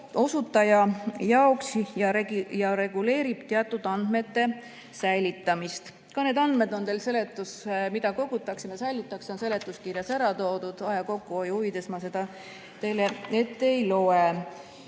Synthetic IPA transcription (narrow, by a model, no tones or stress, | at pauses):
o̞sut̪ːˑɑjɑjɑoksjɑɾejɑɾe̞ɡule̞ːɾib̥t̪eɑt̪ːˑud̪̥ɑnd̪̥me̞t̪ːe̞ | sæjlit̪ˑːɑmist̪ | kɑne̞ːd̪ɑnd̪̥me̞d̪o̞nt̪e̞ːlse̞le̞t̪ːˑusmid̪̥ɑko̞ɡ̥ut̪ːˑɑksimesæjlit̪ːˑɑkso̞nse̞le̞t̪ːˑuskirjɑsæɾɑt̪o̞ːd̪ud̪̥ɑjɑko̞kːuojuhuvid̪̥esmɑse̞d̪̥ɑ | t̪e̞lee̞t̪ːejlo̞e